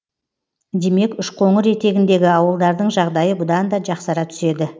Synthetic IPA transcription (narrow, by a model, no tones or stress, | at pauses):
d̪e̞me̞kʏʃqʰo̞ɴəɾe̞t̪e̞ɡʲɪnd̪e̞ɡʲɪɑwəlˠd̪ɑɾd̪əɴʒɑʁd̪ɑjəbʊd̪ɑnd̪ɑd͡ʒɑqsɑɾɑt̪ʰʏ̥se̞d̪ɪ